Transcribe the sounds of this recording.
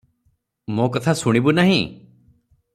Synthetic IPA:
mõkɔt̪ʰasuɽ̃ibunaɦḭ̃

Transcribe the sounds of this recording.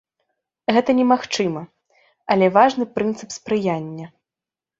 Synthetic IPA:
ɣɛt̪ɐnʲɛmaxt͡ʂɨmɐ | ɐlʲɛvaʐnɨpɾɨnt̪sɨpspɾɨjanʲːɐ

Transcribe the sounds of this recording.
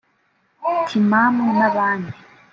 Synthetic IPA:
tʰimamunaβaːni

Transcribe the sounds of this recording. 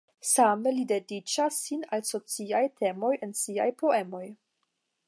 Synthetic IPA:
samelide̞dit͡ʃasːinalso̞t͡siajtʰe̞mo̞jensia̰jpo̞e̞mo̞j

